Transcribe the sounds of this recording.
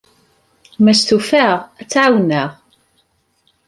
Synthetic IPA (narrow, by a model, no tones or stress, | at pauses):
mæst̪ufæʁæt͡sːʕawnəʁ